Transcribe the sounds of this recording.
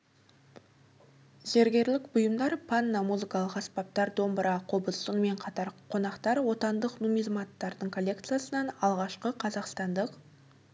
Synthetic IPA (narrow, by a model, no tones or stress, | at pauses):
ze̞ɾɡʲe̞ɾlɪkbʊjəmd̪ɑɾpʰanːɑmuzɨkɑlˠəqɑspɑp̚t̪ɑɾd̪o̞mbəɾʔɑqʰobəssʊnme̞ɴqʰɑt̪ɑɾqʰo̞nɑqt̪ɑɾwo̞t̪ɑnd̪əqnumizmat̪ːɑɾd̪əɴkʰo̞lʲːe̞kt̪sɨjasənɑnɑlˠʁɑʃqəqʰɑzɑqst̪ɑnd̪əq